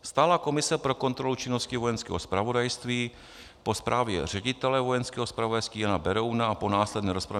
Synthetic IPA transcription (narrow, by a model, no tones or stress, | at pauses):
st̪aːlako̞mɪsɛpɾo̞ko̞nt̪ɾo̞lut͡ʃɪno̞scɪvo̞jɛnskɛːɦo̞spɾavo̞dajst̪viː | po̞spɾʔaːvjɛ̰r̝ɛɟɪt̪ɛlɛvo̞jɛnskɛːɦospɾavo̞dajst̪viːjanabɛɾownaapo̞naːslɛdnɛːɾo̞spɾa